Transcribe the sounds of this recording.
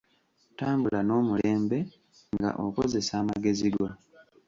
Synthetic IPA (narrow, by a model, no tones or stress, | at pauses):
taːmbulano̞ːmule̞ːmbe̞ | ŋɡa̰ʔo̰koze̞saːmaɡe̞ziɡwa